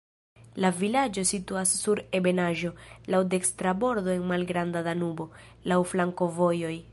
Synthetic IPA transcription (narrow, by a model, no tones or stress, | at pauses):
lavilad͡ʒo̞situasːuɾe̞be̞naʒo̞lawde̞kstɾabo̞ɾdo̞e̞nmalɡɾandadanubo̞ | lawflaŋko̞vo̞jo̞j